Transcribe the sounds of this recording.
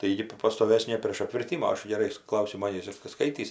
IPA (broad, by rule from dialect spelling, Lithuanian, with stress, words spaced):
tɐɪ ˈjɪ ɡʲɪ p pɐstoːˈʋʲæːsʲnʲeː pʲrʲeːʃ ɐpʲʋʲɪrʲˈtʲɪmʊ oː ˈɐʃ ɡʲɛˈrɐɪ ˈklˠɐʊsʲɪmoː nʲɛiːsʲɪˈskɐɪtʲiːs